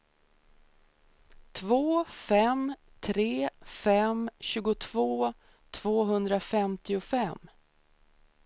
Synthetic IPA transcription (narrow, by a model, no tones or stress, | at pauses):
t̪ʰvoːfɛm | t̪ʰɾeːfɛmɕʉ̟ːɡʊt̪ʰv̥oː | t̪ʰv̥oːɦɵnd̪ɾafɛmt̪ɪʊfɛm